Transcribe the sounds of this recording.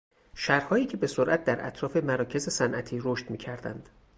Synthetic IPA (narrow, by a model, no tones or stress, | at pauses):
ʃæɾhɒːjiːcʰe̞be̞soɾʔæt̪̚d̪æɾʔæ̰t̪ʰɾɒːfe̞mæɾɒːcʰe̞ze̞sænʔæt̪ʰiːɾoʃt̪miːcʰæɾd̪æ̰nd̪̥